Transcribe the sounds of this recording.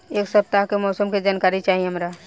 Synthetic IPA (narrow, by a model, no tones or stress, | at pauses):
eːksɐb̚t̪aɦkemɔːsəmked͡ʒaːnkaːɾit͡ʃaːɦieɦɐmɾaː